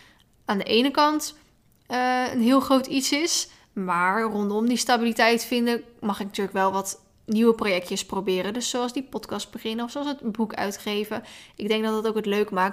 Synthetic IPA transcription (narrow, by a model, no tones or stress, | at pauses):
aːndəʔejnəkɑnt | ə̰nɦɪːlˠχrowtitsɪs | maːɹrɔntɔmdistabilitɛjtfɪndəmɑχɪknatyːɹləkʋɛlˠʋɑt | niwəprojɛk̚tjəsprowbɪːɾədɵsːowɑlˠzdipɔtkɑst̚bəχɪnəɔfsoɑlˠsətbukœ̰ɥtχejvəʔɪɡ̚dɛŋɡ̚dɑtdɑtowkɦətløɥkəmaːk̚